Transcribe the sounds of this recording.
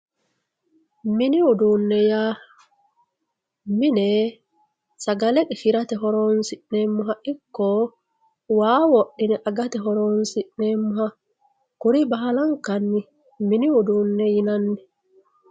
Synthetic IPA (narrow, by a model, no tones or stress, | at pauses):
mɪnɪʊd̪unːɛjaː | mɪnɛ | sɐɡɐlɛkʼɛfɪɾɐt̪ɛɦɔɾoːnsɪnnɛmːʊɦaʔɪkːɔ | waːwɔɗːɪnɛʔɐɡɐt̪ɛɦɔɾoːnsɪʔneːmːʊɦɐ | kʊɾɪbɐɦɐlɐŋkɐnːɪ | mɪniʊd̪uːnːɛjɪnɐnːɛ